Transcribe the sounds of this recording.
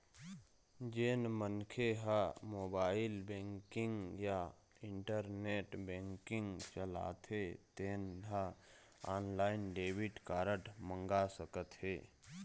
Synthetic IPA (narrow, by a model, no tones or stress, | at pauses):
d͡ʒenmənkʰeɦamoːbaːɪlbɛ̃ːŋkɪ̃ŋɡja | ɪ̃ɳʈəɾneːʈbɛ̃ːŋkɪ̃ŋɡt͡ʃəla̰ːt̪ɦet̪eːnɦa | aːnlaːɪnɖeːwɪʈkaːɾəʈmə̃ŋɡasəkət̪ɦeː